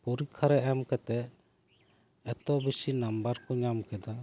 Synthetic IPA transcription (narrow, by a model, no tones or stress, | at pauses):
puɾikʰːaɾɛʔɛmkɛt̪ɛ | ɛt̪ɔbisinambaɾkɔɲamkɛd̪a